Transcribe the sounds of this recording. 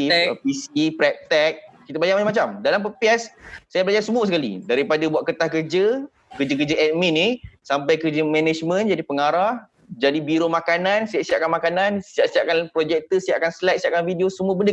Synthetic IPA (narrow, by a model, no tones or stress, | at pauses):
pisipɾɛp̚t̪ɛk̚kːit̪əbajaʔ̚mat͡ʃamat͡ʃamdalampəpiɛssajabəlad͡ʒarsəmuəsəkalḭdaɾipadabuaʔ̪̚kət̪ahkərd͡ʒə | kəd͡ʒəkəd͡ʒəɛt̪̚mĩnisampajkərd͡ʒəmɛ̃nɛd͡ʒmə̃nd͡ʒadipəŋaɾah | d͡ʒadibiɾomãkanãnsiaʔsiaʔkanmakanãnsiaʔsiaʔkanpɾod͡ʒɛk̚t̪əsiaʔakanslɛk̚siaʔ̚kanfidiosəmuəbəndə